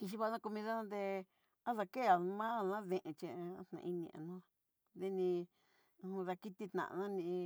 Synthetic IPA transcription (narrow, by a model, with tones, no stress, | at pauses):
ki˧ʃ̬i˧βa˧˦˧nã˦˧ko˧mĩ˧ða˦nã˦d̪e˧ | a˦ða˧ke˦˨a˨˧mã˦˧˨nã˦ðẽ˧˨ʔẽ˧t͡ʃẽ˧t̪nã̰˧i˧nḭ̃˧ã̰˨nũ˦ | ðe˧nĩ˧ | ða˧ki˦t̪i˦˧t̪nã̰˨˧nã˦nĩ˧